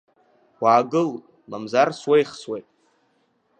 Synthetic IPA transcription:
aːɡɨl | mamzarswejχswejtʼ

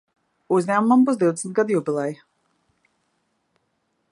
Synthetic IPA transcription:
uzɲʲæːmumambuzd̪iwd̪ɛsnt̪̚ɡad̪jubilˠɛj

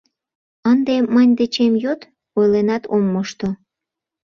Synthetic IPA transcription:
ənd̪emənʲd̪et͡ɕemjot̪ | ojlenɑt̪omːəʃt̪o

